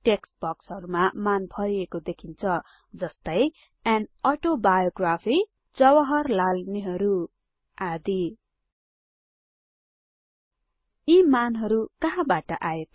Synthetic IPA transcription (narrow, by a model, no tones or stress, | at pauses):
ʈeksbʌksɦʌɾumamanpʰʌɾiekod̪ekʰint͡sʰʌ | d͡zʌst̪ʌj | anʌʈobajoɡrapʰi | d͡zʌwʌɦʌrlalneɦʌɾu | ad̪i | imanɦʌɾukʌɦãbaʈʌʔaet̪